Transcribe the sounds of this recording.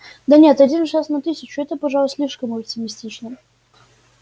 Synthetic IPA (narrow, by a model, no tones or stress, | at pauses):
d̪ɐnʲet̪ɐdʲinʂasnɐt̪ɨsʲɪt͡ɕʊɛt̪əpɐʐalˠsʲlʲiʂkəməp̚tʲɪmʲɪsʲtʲit͡ɕnə